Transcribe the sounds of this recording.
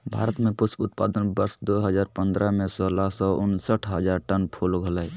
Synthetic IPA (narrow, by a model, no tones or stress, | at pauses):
bʱa̰ːɾət̪mepusbʊt̪̚pa̰d̪ənbəɾsd̪oɦəd͡ʒaːɾpə̃nd̪ɾamesɔlasɔʔunsəʈʰɦəd͡ʒaːɾʈənpʰolɡʱələ